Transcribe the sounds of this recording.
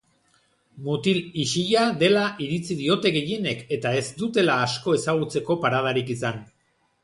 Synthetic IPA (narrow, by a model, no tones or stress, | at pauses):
mut̪iliʃiʎaðe̞laʔiɾit͡siðio̞t̪e̞ɣe̞je̞ne̞ke̞t̪ae̞zd̪ut̪e̞laːsko̞e̞saɣ̞ut͡se̞ko̞paɾað̞aɾikisan